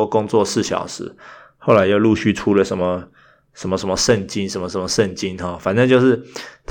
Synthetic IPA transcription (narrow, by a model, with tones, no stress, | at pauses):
kʊ˥˦ŋt͡swɔ˥˨sɹ̩˥˩ɕjɑ̰˨˩ʊʂɻ̩˧˦ | xo˥˩ʊla˧˥ɪt͡ɕo˥˧ʊlu˥˧ɕy˥˩ʈ͡ʂʰu˥lə˨ʂə˧˦nmə˧˦ | ʂə˧˥nmə˧ʂə˧˦nmə˧ʂə˥˨nt͡ɕi˦˥nʂə˧˥nmə˩ʂə˨˦nmə˧ʂə˥˩nt͡ɕi˦nxɔ˥˩fa˨˩nə˥˧nt͡ɕjo˥˧ʊʂɻ̩˥˩t̪ʰ